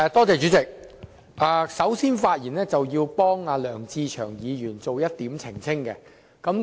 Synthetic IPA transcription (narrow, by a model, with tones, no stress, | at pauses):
t̪ɔː˥t͡sɛː˨˧t͡ʃyː˨˥t͡sɪ˨k̚ | ʔaː˨˧sɐ˨˥wsiː˥nfaː˧t̚jiː˨˩nɛː˥t͡sɐ˨wjiː˧wpɔː˥ŋaː˨˧lœː˨˩ŋt͡siː˧t͡ʃʰœː˨˩ŋjiː˨˧jyː˨˩nt͡so˨wjɐ˥t̚t̪iː˨˥mt͡sʰɪ˨˩ŋt͡sʰɪ˥ŋkɛ̰˧ | kɐ˨˥m